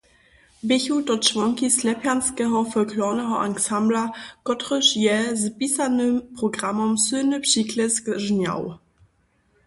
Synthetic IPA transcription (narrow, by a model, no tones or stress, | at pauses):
bɪçutɔt͡ʂvɔŋkislɛpjanskɛɦɔfɔlklɔnɛɦɔʔaŋksamblakɔtʁəʂjɛzpisanɘmpʁɔɡʁamɔmsɨːnɘpʂiklɛskʐɲa̰w